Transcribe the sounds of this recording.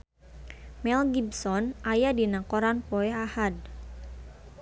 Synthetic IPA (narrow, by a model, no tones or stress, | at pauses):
mɛlɡibsɔnʔajadinakɔɾanpoɛahad̚